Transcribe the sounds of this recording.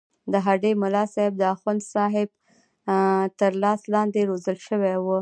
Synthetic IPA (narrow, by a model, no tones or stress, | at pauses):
d̪əɦaɖemʊlɑsɑɪb̚d̪əaxand̪sɑɦɪb̚ | t̪əɾlɑslɑnd̪eɾozəlʃəwewu